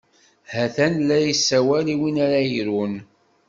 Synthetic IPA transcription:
hæθænlæjisːæwæliwinaɾajɾun

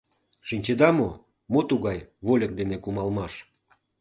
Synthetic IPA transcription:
ʃinʲt͡ɕed̪ɑmo | mot̪uɣɑjβolʲə̆k̚d̪enekumɑlmɑʃ

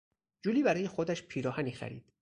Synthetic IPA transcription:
d͡ʒuːliːbæɾɒːje̞xod̪æʃpʰiːɾɒːhæniːxæ̰ɾḭːd̪̥

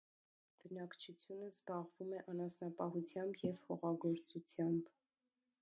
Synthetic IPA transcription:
b̥ənɑkt͡ʃʰut͡sʰjunəzbɑʁvumɛʔɑnɑsnɑpɑɦut͡sʰjɑmbjɛvhɔʁɑɡɔɾt͡sut͡sʰjɑmb

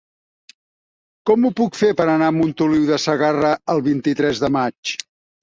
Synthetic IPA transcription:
kɔmupukfepəɾənaəmunt̪uliwðəsəɣarəəlˠβint̪it̪ɾɛzðəmat͡ʃ

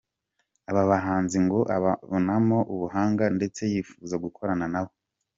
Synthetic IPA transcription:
aβaβaɦaːnziŋɡoʔa̰βaβonamo̞ʔuβuɦaːŋɡande̞t͡se̞jiːfuːzaɡukʰo̞ɾananaβo̞

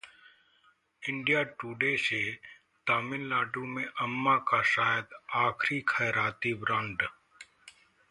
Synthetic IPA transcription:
ɪ̃ɳɖijaʈuːɖeːse | ʈ̪aːmɪnlaːʈũmẽʔəmːakaʃaːjəd̪aːkʰɾikʰɛːɾaːt̪ibɾãːɳɖ

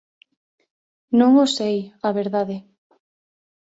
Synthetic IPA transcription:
nõŋosejaβeɾðaðe

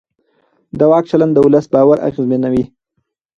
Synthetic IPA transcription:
d̪awɑk̚t͡ʃaland̪əʊləsbɑːwaɾa̰ɣizmenawi

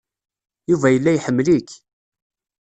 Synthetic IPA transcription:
juvæjəlːæjħəmːlik

